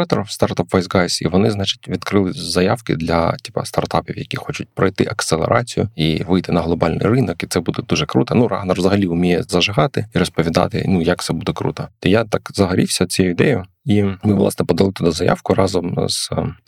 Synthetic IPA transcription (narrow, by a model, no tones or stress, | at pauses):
ɑt̪ɔɾwst̪art̪apʋɐjzɡɑsʲḭʋɔnɪznɑt͡ʃɪ̥tʲʋʲid̪kɾɪlˠɪzɐjawkɪ̰d̪lʲɐ̰tʲipɐ̰st̪ɐ̰rt̪ɑpʲiwjɐkʲixɔt͡ʃʊt̚ʲpɾɔjt̪ɪʔɐkselˠḛɾʔɑt͡sʲijʊiʋɪjt̪ɪnɐɦlˠɔbɑlʲnɪ̰jrɪnɔkit̪sɛbud̪ɛd̪uʐɛkɾut̪ɐnurɑ̰ɦnɐrʋzɐɦɐlʲiʊmʲijɛzɐʒɪɦɑt̪ɪiɾɔspɔʋʲid̪ɑ̰t̪ɪ̰nujɐk̚t̪sɛbud̪ɛkɾṵt̪ɐt̪ɔjat̪ɑkzɐɦɐɾʲiwsʲɐt͡sʲɛjɪd̪ɛjʊ | imɪʋlˠɑ̰snɛpɔd̪ɐlˠɪt̪ʊd̪azɐja̰wkʊrɑzɔmz̥